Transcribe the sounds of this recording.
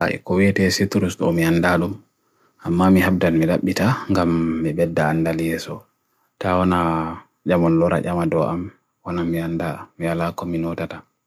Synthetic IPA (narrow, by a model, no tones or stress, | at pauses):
a̰ḭkɔwɛtɛsitɾusɗɔ̰miandaɗum | ʔamːamiɦab̚danmiɗaɓːitaŋɡamːibɛdːaːndaljɛsɔ | tawɔna | d͡ʒamɔnlɔɾa̰ʔamadɔʔam | wanamiandamijalakɔminɔtata